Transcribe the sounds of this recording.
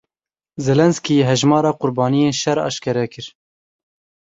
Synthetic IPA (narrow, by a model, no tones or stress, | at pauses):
zɛlɛnskiɦɛʒmɑːɾɑːqʊɾbɑːnijeːnʃɛɾɑ̰ːʃkɛɾɛkɨɾ